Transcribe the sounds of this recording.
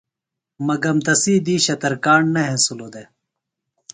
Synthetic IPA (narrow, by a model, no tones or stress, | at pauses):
mɐɡɐmt̪ɐsiːd̪iːɕɐt̪ɐɾkaːɳnɐɦẽsulod̪e